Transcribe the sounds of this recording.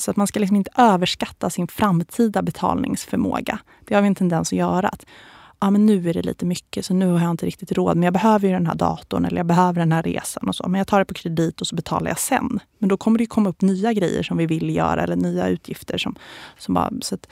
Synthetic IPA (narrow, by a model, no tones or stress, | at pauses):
sɔat̪manskalɪksɔmɪnt̪əʔøːvəʂkat̪ːasɪnfɾamːt̪ʰiːd̪abɛt̪ʰɑ̰ːlnɪ̰ŋsfœɾmo̰ːɡa̰ | d̪̥ɛhaɾvɪɛnt̪ʰɛnd̪ɛnsɔjœːɾaat̪ | ɑːmɛnːʉ̟ːæɖɛ̰lḭːt̪əmʏkːəsɔnʉ̟ːhaɾjaɪnt̪əɾɪk̚t̪ɪt̪ɾoːd̪mɛnjɑːbɛɦøːvəɾjɵd̪ɛnɦæ̰ːɖɑ̰ːt̪ʊnɛlːə̰jɑbɛɦøːvəɖɛnɦæːɾːḛːsanɔso̰ːmɛnjɑːt̪ʰɑːɖɛpʰɔkʰɾɛd̪iːt̪ɔsɔbɛt̪ʰɑ̰ːla̰ja̰sɛ̰nːmɛnd̪ɔkʰɔmːəɖɛjɵkʰɔmːaɵpːnyːaɡɾɛjːə̰ʂɔmvɪvɪlːjœ̰ːɾaɛlːəɳyːa̰ʉ̟ːt̪ʰjɪft̪ʰəɾʂɔmsɔmbɑ̰ːsɔat̪